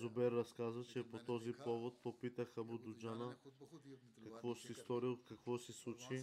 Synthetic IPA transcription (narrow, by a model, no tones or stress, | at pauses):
zobɛɾːɐskazət͡ʃɛpot̪ɔzipɔvot̪̚popit̪əxɐbud̪ud͡ʒanə | kɐkvɔsist̪ɔɾiəot̪̚kɐkvɔsislˠut͡ʃi